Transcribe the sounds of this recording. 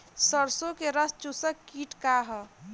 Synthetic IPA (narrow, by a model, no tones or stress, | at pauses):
səɾsokeɾəst͡ʃusəkːiːʈkaɦə